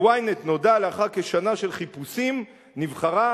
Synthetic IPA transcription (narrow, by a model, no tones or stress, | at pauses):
wajnet̪no̞daleaχake̞ʃanaʃe̞lχipusim | nivχaʁa